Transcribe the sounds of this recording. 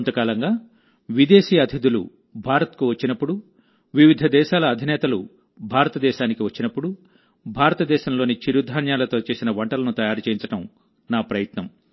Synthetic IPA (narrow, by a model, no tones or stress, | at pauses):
nt̪ɐkaːlɐŋɡaː | ʋid̪eːʃiːɐd̪ʱid̪ulṵ | bʱaːɾɐt̪kuʋɐt͡ʃːinɐpːuɽu | ʋiʋid̪ʱɐd̪ɛːʃaːlɐːd̪ʱinɛːt̪ɐlu | bʱaːɾɐt̪ɐd̪ɛːʃaːnikiʋɐt͡ʃːinɐpːuɽu | bʱaːɾɐt̪ɐd̪ɛːʃɐmlo̞ːnit͡ʃiɾud̪ʱaːnjaːlɐt̪o̞ːt͡ʃe̞ːsinɐʋɐɳʈɐlɐnut̪ɐjaːɾut͡ʃeːjiɲt͡ʃɐʈɐm | naːpɾɐjɐt̪nɐm